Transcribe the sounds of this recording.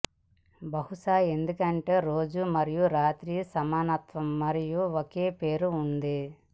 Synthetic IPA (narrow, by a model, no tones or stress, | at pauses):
bɐɦuʂaːe̞nd̪ukɐɳʈe̞ːɾo̞ːd͡ʒumɐɾijuɾaːt̪ɾiːsɐmaːnɐt̪ʋɐmːɐɾijuoke̞ːpe̞ːɾuːnd̪i